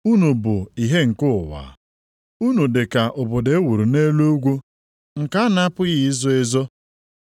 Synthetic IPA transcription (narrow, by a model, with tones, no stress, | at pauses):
u˦no˨bʊ˨i˨ɦe˦ŋ̩˨kʊ˦˨wa̰ː˨˦ | u˦nu˨de˨ka˨ʔʊ˨bʊ˨de˦wu˨ɾu˨ne˦lo˦ɡʷo˦ | ŋ̩˨ka˦n˦pʊ˦ji˨˦zo˦e˦zo˦